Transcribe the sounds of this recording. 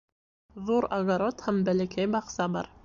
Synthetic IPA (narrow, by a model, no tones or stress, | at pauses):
ðuɾaɡaɾot̪hæmbælækæjbɑqsɑbɑ̰ɾ